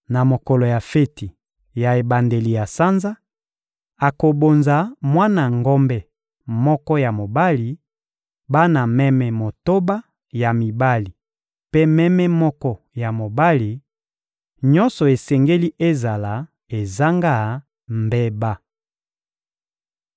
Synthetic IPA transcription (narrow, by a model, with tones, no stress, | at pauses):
na˨mo˨kɔ˨lo˨ja˨fe˦ti˨ | ja˨e˨ba˨nde˨li˨ja˨sa˦nza˦ | a˨ko˨bo˨nza˨mwa˦na˨ŋɡɔ˦mbɛ˦ | mɔ˦kɔ˦ja˨mo˨ba˦li˨ | ba˦na˨mɛ˦mɛ˨mo˨to˦ba˦ | ja˨mi˨ba˦li˨ | pe˦mɛ˦mɛ˦mɔ˦kɔ˦ | ja˨mo˨ba˦li˨ | ɲɔ˦nsɔ˨e˨sɛ˨ŋɡe˦li˦ʔe˦za˨la˨ | e˨za˦ŋɡa˦˨ | mbe˦ba˦